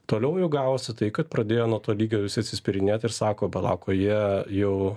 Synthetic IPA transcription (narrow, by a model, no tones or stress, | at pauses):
t̪oːlʲɛʊjɛʊɡɑːʋoːsʲɪt̪ɐɪkɐt̪pɾɐd̪ʲeːjoːnuɔt̪oːlʲiːɡʲoːʋʲɪsʲɪɐt̪ʲsʲɪsʲpʲɪɾʲɪnʲeːt̪ɪɾsɑːkoːbʲɛt̪lˠɑ̰ːkoːjiɛjɛʊ